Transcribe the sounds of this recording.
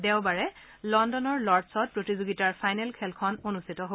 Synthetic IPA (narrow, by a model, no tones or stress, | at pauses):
dɛʊbaɹɛ | lɔndɔnɔɹlɔɹdsɔt̚pɹotizoɡitaɹpʰajnɛlkʰɛlkʰɔnonustʰitɔɦo